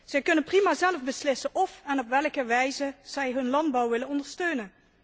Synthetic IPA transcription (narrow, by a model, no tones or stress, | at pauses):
z̥ɛjkɵnənprimaːzɛlvbəslɪsənʔɔfɛnɔpʋɛlˠkəʋɛjzəz̥ɛjɦɵnlɑnd̚bɑwʋɪlənɔndəɹstøɥnən